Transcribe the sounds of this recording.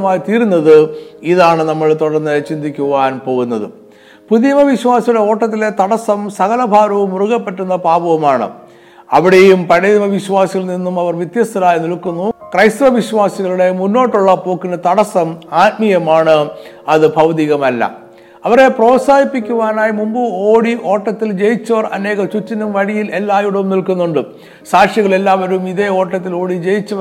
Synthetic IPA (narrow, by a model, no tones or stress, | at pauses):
maːjit̪iːɾunːɐðɨiðaːɳɨnɐmːɐɭt̪uɽɐrnːɨt͡ɕind̪ikʲːuʋaːnpo̞ːɣunːɐðɨ̰ | puðjɐmɐʋiɕwaːsɐjuɽe̞o̞ːʈːɐt̪̬ːile̞t̪ɐɽɐsɐmsɐɣɐlɐbʱaːɾɐʋumuruɣɐpːe̞ʈːunːɐpaːbɐʋɐmaːɳɨ̰ | ɐʋiɽejumpɐɻeðimɐʋiɕʋaːsiɣɐlninːumɐʋɐrʋjɐt̪jɐst̪ʰɐɾaːjinilkːunːukrɐjst̪uʋɐbʱiɕʋaːsiɣɐɭuɽe̞munːo̞ːʈːuɭːɐpo̞ːkːinːɐt̪ɐɽɐsɐmaːt̪̚mijɐmaːɳɨ | ɐðɨbʱɐwd̪iɣɐmɐlːɐ̰ | ɐʋɐre̞pro̞ːtsaːipːikʲːuʋaːnaːjimumbɨoːɽiʔo̞ːʈːɐt̪ːild͡ʑe̞jit͡ɕːɐʋɐrɐ̰ne̞ːɣɐmt͡ɕut͡ɕːɐnumʋɐɻijilelːaːjuɽɐumnilkunːuɳɖɨ | saːkʂjɐɣɐɭe̞lːaːʋɐɾumiðe̞o̞ːʈːɐt̪ːilo̞ːɽid͡ʑe̞jit͡ɕːɐʋɐ